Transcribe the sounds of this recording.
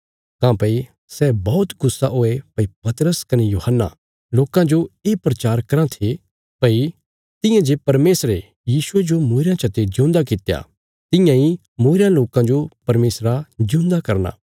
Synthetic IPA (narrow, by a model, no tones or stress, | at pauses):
kãːpɐi | sɛbɔːʊt̪ɡʊsːaɦoːepɐipɐt̪ɾəskɐnejuːhənːa̰ | loːkãd͡ʒoeːpɾɐt͡ʃaːɾkɐɾãt̪ʰe | pɐi | t̪ɪ̃jãd͡ʒeːpɐɾmeːsɾe | jiːsued͡ʒomoːɪɾãt͡ʃʰɐt̪ed͡ʒʊ̃nd̪akɪt̪ja̰ | t̪ɪ̃jãi | moːɪɾãloːkãd͡ʒopɐɾmeːsɾad͡ʒʊ̃nd̪akɐɾna̰ː